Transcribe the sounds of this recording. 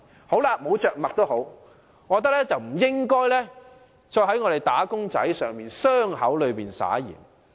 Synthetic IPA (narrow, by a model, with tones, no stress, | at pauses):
ho˨˥wlaː˧mo˨˧wt͡ʃœː˨k̚mɐ˨k̚t̪o˥who˨˥w | ŋɔː˨˧t̪ɐ˥k̚lɛː˥t͡sɐ˨wm̩˨˩jɪ˥ŋkɔː˥jlɛː˥ | t͡ʃɔː˧jɦɐ˨˥jŋɔː˨˧ɾe˨jt̪aː˨˥kʊ˥ŋt͡sɐ̰˨˥jsœː˨ŋmiː˨nsœː˥ŋhɐ˨˥wlɵ˨˧ɥpiː˨nsa̰ː˨˥jḭː˨˩n